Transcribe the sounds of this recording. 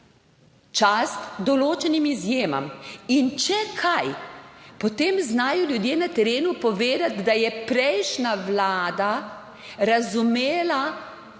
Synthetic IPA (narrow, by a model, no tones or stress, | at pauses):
t͡ʃast̪d̪ɔloːt͡ʃɛnimizjeːma̰mint͡ʃɛkʰajpɔt̪eːmznaːjɔljud̪jeːnat̪ɛɾeːnupɔʋeːd̪at̪d̪ajɛpɾɛjʃnaʋlaːd̪a | ɾazumeːla